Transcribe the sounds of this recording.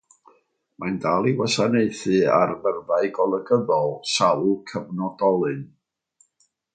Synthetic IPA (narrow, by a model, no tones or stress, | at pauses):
majndalˠiwasaneɨθɨarmərvaɨɡɔlˠəɡəðɔlˠsalkʰəvnɔdɔlˠɨn